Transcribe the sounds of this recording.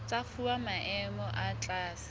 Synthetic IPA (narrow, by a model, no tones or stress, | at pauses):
t͡sʼafuamaʔɛmɔʔat͡ɬʼaːsɪ̥